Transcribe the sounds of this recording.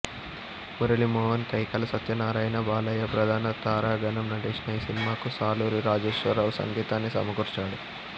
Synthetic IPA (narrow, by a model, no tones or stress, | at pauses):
muɾɐlimɔːʋɐnt̪ɐjkɐlɐsɐt̪jɐnaːɾaːjɐnɐbaːlɐjɐpɾɐd̪ʱaːnɐt̪aːɾaːɡɐnɐmnɐʈeːʂnɐjisinimaːkusaːluːɾiɾaːd͡ʒeːʂʋɐɾaːʋsɐ̰ŋɡiːt̪aːnːisɐ̰mɐɡuɾt͡ʃaːɽu